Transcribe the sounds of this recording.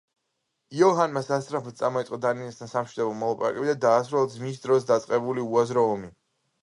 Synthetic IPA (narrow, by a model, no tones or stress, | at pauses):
iɔɦanmasast̪ʼɾapʰɔt̪̚sʼamɔit̪sʼqʼɔd̪aninist̪ʰansamʃid̪ɔbɔmɔlˠapʼa̰ɾa̰kʼɛbid̪ad̪aːsɾɛlˠad̪zmisd̪ɾɔsd̪at̪sʼqʼɛbuliuazɾɔːmi